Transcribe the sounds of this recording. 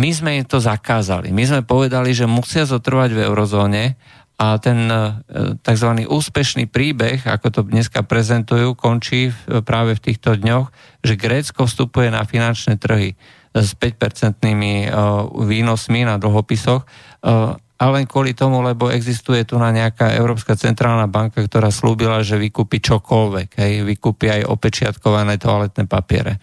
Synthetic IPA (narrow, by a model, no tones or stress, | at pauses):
mizmɛimt̪ɔzakaːza̰lḭmizmɛpɔʋɛd̪aliʒɛmusɪazɔt̪r̩ʋaɟvɛ̰ʊɾɔzɔːɲɛ | at̪ɛn | t̪aɡzʋaniːʔuːspɛʃnḭːpɾiːbɛɣa̰kɔt̪ɔd̪ɲɛskapɾɛzɛnt̪ujuːkɔnt͡ʃiːpɾaːʋɛft̪iːxt̪ɔd̪ɲɔx | ʒɛɡɾɛːt͡skɔfst̪upujɛna̰finant͡ʃnɛːt̪r̩ɦi | spɛc̚pɛɾt͡sɛnt̪nimi | ʋiːnɔsminad̪l̩ɦɔpisɔx | ʔalɛŋkʊɔlit̪ɔmulɛbɔɛɡzist̪ujɛt̪unaɲɛakaɛ̰ʊɾɔːpskat͡sɛnt̪ɾaːlnabaŋkakt̪ɔɾaːsluːbilaʒɛʋikuːpit͡ʃɔkʰɔlʋɛɡɦɛjʋikuːpiajʔɔ̰pɛt͡ʃɪat̪kɔʋanɛːt̪ɔalɛt̪nɛpapɪɛ̰ɾɛ̰